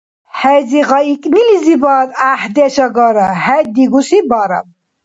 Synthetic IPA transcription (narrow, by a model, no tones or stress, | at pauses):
hɛziɣɑikʼnilizibad̪ahd̪ɛʃɐɡɔɾahɛd̪iɡusibaɾɐ̰m